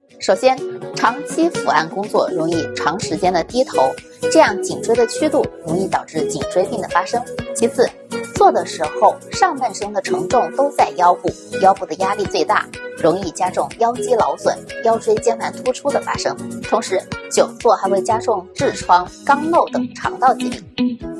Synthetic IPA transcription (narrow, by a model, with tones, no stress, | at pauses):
ʂo˨˩ʊɕjɛ˥nʈ͡ʂʰɑ˧˥ŋt͡ɕʰi˥fṵ˨˩a˥˩nkʊ˥ŋt͡swɔ̰˥˩ɻʊ˧˥ŋi˥˩ʈ͡ʂʰɑ˧˥ŋʂɻ̩˧˥t͡ɕjɛ˥nd̪ə˨t̪i˥t̪ʰo˧˥ʊ | ʈ͡ʂɤ˥˧jɑ˥˩ŋt͡ɕi˨˩ŋʈ͡ʂwe˥ɪd̪ə˨t͡ɕʰy˥t̪u˥˩ɻʊ˧˥ŋi˥˩t̪ɑ˨˩ʊʈ͡ʂɻ̩˥˩t͡ɕi˨˩ŋʈ͡ʂwe˥ɪpi˥˩ŋd̪ə˩fa˥ʂɤ˥ŋt͡ɕʰi˧˥t͡sʰɹ̩˨˩˦ | t͡swɔ˥˩d̪ə˩ʂɻ̩˧˥xo˥˧ʊʂɑ˥˧ŋma˥˩nʂɤ˥ŋd̪ə˨ʈ͡ʂʰɤ˧˥ŋʈ͡ʂʊ˥˩ŋt̪o˥ʊt͡sa˥˩ɪjɑ˥ʊfu˥˩jɑ˥ʊfu˥˩d̪ə˩ja˥li˥˧t͡swe˥˧ɪt̪a̰˥˩ɻʊ˧˥ŋi˥˩t͡ɕja˥ʈ͡ʂʊ˥˧ŋjɑ˥ʊt͡ɕi˥lɑ˧˥ʊswə̰˨˩˦njɑ˥ʊʈ͡ʂwe˥ɪt͡ɕjɛ˥˩nmʰa˥˩nt̪ʰu˥ʈ͡ʂʰu˥d̪ə˨fa̰˥ʂɤ˥ŋt̪ʰʊ˧˥ŋʂɻ̩˧˥t͡ɕjo˨˩ʊt͡swɔ˥˩xa˧˥ɪxwe˥˩ɪt͡ɕja˥ʈ͡ʂʊ˥˧ŋʈ͡ʂɻ̩˥˩ʈ͡ʂʰwɑ˥ŋkɑ˥ŋlo˥˩ʊt̪ɤ˨˩ŋʈ͡ʂʰɑ̰˧˥ŋt̪ɑ˥˧ʊt͡ɕi˧˥t̪ḭ˥˩